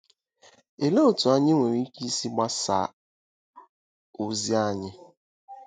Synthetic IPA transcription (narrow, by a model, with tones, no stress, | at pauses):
e˨le˦o˨tu˨a˦ɲɪ˦ŋʷe˨ɾi˦ki˦si˦ɡ͡ba˦sa̰˨ | o˨zi˦a˦˨ɲɪ˦